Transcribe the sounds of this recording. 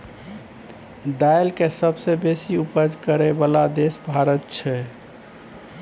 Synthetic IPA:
d̪ajlkesəbsebesiupəd͡ʒkəɾebalad̪esbʱaɾət̪̚t͡ʃʰɛ

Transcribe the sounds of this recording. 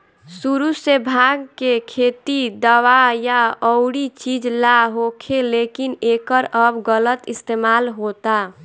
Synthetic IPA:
suɾusebʱaɡkekʰet̪id̪əwajaɔʊɽit͡ʃid͡ʒlaɦokʰelekinekəɾəbɡələt̪ist̪emalɦot̪a

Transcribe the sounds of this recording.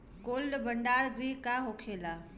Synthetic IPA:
koːlɖbɐɳɖaːɾɡɾiːkaɦokʰeːlaː

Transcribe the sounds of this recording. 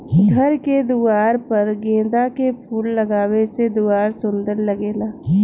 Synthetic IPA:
ɡʱɐɾked̪uːaːɾpɐɾɡẽːd̪akepʰuːllɐɡaːwesed̪uaːɾsʊ̃nd̪əɾlɐɡeːlaː

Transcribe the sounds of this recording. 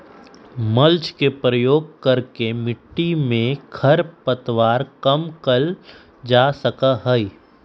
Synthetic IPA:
mɐlt͡ʃkepɾəjoːɡ̚kɐɾkemɪʈːimẽkʰɐɾpət̪ʋaːɾkɐmkəl | d͡ʒaːsəkaɦəi

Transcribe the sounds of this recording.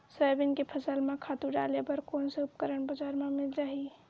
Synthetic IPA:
səjbinkepʰəsəlmekʰat̪uɖalebəɾkonsə̃upkəɾənbəd͡ʒaɾmemilɾəɦi

